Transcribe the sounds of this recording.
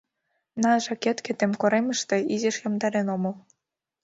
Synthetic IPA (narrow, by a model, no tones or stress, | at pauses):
nɑʒɑkʲet̪kʲĕt̪emʲkoɾemʲɤ̆ʃt̪ĕizeʃjɤ̆md̪ɑɾenomɤ̆lˠ